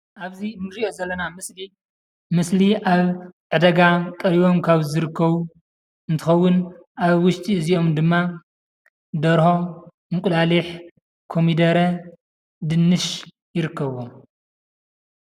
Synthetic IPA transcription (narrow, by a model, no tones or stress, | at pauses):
ʔaβzinɨɾiʔo̞zɐlːɐnamɨsli | mɨsliʔaβʕɨd̪ɐɡakʼɐɾiβo̞mkʰaβzɨɾɨkːɐβu | ɨnt̪ʰɨxɐwːʊnʔaβwʊʃt̪ʼiɨziʔo̞md̪ɨmːa | d̪ɐɾho̞ | mɨkʼulaliħ | kʰo̞mid̪ɐɾɐ | d̪ɨnːɨʃ | jɪɾɨkʰːɐβo